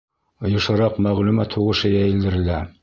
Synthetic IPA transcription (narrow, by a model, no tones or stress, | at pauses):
ŏjŏʃɑɾɑqmæʁlumæt̪huʁɤ̆ʃɤjæjɘ̆ld̪ɘ̆ɾɘ̆læ